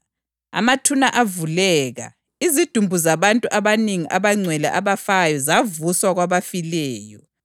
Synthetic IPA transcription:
a̰matʰunaʔavulɛːɣa̰ | izid̥ʱumbʱuzaβantʼuʔaβaniŋiʔaβaŋ͡ǀʱwɛlɛ̰ʔaβafajɔzavuswaɣwaβafilɛːjɔ

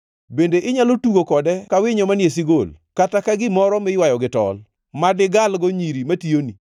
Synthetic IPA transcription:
bendeʔɪɲalotuɡokɔdɛkawɪɲomanjes̬iɡolkatakaɡɪmɔɾɔmɪjwajɔɡɪtɔ̰l | madɪɡalɡoɲiɾimationi

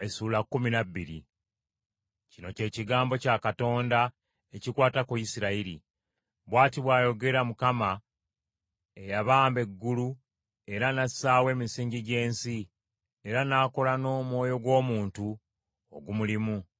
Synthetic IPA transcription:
esuːlakːuminaβːiɾḭ | cino̞ce̞ːciɡaːmbo̞cakato̞ːnda | ecikwaːtakuisiɾaiɾḭ | βwaːtiβwaːjo̞ɡe̞ɾamukama | e̞jaβaːmbe̞ɡːulu | e̞ɾanasaːwe̞ːmisiːɲɟiɟe̞ːnsi | e̞ɾanaːko̞lano̞ːmwo̞ːjo̞ɡwo̞ːmuːntu | o̰ɡumulimu

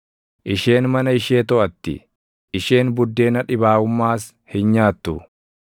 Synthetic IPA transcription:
ʔɪʃe̞ːnmɐnɐɪʃeːt̪ɔʔɐt̪ːɪ̰ | ʔːʃe̞ːnbʊd̪ːe̞ːnɐᶑɪbaːʊmːaːs | hɪnɲaːt̪ːʊ

